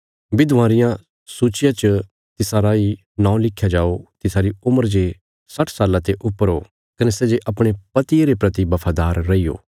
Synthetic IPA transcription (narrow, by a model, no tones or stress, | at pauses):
bɪd̪ʱʋaːɾɪjã | suːt͡ʃɪjãt͡ʃə | t̪ɪsaːɾai | nãːũlɪkʰːjad͡ʒaːot̪ɪsaːɾiʊməɾd͡ʒe | sɐʈʰsaːlãt̪eʔʊpːəɾo | kɐnesɛːd͡ʒeʔɐpɽ̃epɐt̪ieɾepɾɐt̪ibɐpʰaːd̪aːɾːɐijo̰ː